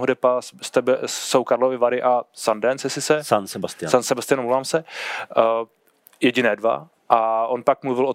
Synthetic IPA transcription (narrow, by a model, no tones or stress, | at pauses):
ɦodɛpast̪ɛbɛsowkaɾlovɪvaɾɪʔasandɛnsjɛsɪsɛsansɛbast̪ɪasansɛbast̪ɪjanmluvaːmsɛ | jɛɟɪnɛːdva̰ | ʔaʔonpak̚mluvɪlʔo